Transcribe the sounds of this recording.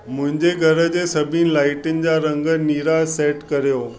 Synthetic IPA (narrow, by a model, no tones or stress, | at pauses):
mʊ̃ɦɪ̃ɲd͡ʑeɡʱɐɾə̆d͡ʑeːsɐbʱɪnɪlaːɪʈɪnɪ̆d͡ʑaːɾɐ̃ŋɡəniːɾaːseːʈkɐɾijoː